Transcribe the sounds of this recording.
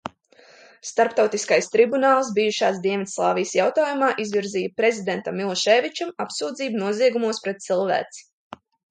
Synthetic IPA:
st̪aɾpt̪awt̪iskajst̪ɾibunaːlˠs̬bijuʃaːs̬d̪iɛnʋʲit̪slˠɑːvijəsjawt̪aːjumaːʔizviɾziːjpɾezʲid̪ent̪amːilˠɔʃɛːvit͡ʃamapsuːd̪ziːbunuɔziɛɡumuɔspɾɛt̪̚t̪silˠvæ̰ːt̪si̥

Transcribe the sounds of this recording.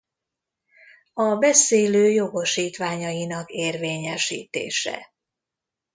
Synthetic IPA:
ɒbɛseːløːjo̞ɡo̞ʃiːt̪ʋaːɲɒjinɒkeːrveːɲɛʃḭːt̪ḛːʃɛ̰

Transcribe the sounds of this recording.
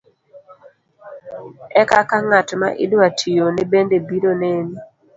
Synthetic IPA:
ɛkakaŋatma̰ʔḭdwatʰijonebendebiɾoneni

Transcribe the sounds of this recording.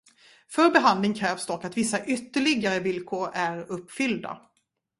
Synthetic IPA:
fœɾbɛɦand̪lɪŋkʰɾɛːvsd̪ɔkːat̪vɪsːaʔʏt̪ːəɭɪɡaɾəvɪlkʰoːɾæɾɵpːfʏld̪a̰

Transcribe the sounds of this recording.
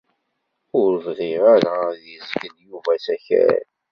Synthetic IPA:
ʊɾvðiʁaɾaðjəzɡənjuvæsæçæ̰ɾ̰n

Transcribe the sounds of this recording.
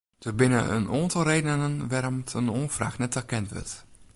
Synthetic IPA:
d̥əbɪnə̰ʔə̰noːəntəlˠrejdənənənʋaːɾɔmtʰənoːfra̰ːxnɛtɛrkɛntʋø̰rt

